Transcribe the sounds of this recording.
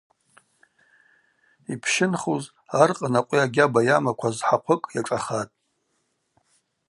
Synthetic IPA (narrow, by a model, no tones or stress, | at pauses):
ipʰʃɪnχuz | arqʼənaqʷʼiaɡʲabajamakʷʰazħaqʷʰəkʼjaʈ͡ʂʼaχatʼ